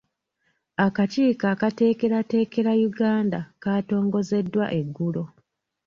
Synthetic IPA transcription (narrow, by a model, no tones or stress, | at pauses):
akaciːkaːkate̞ːke̞ɾate̞ːke̞ɾajuɡaːndakaːto̞ːŋɡo̞ze̞dːwa̰ʔe̞ɡːulo̞